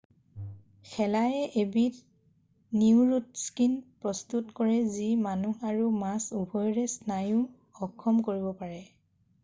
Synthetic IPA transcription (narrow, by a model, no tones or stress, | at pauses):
xʰɛlajɛʔebit | niuɹutskinpɹɔstutkɔɹɛzimanuaɹumasubʱɔjɹɛsnajʊ | ɔkʰːɔmkoɹibɔpaɹɛ